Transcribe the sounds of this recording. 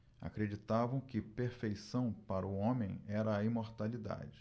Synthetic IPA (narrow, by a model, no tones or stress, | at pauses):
a̰kɾed͡ʒit̪avɐ̃w̃kɪpeɾfejsɐ̃w̃paɾʊõmẽj̃ɛɾɐːimoɾt̪alid̪a̰d͡ʒɪ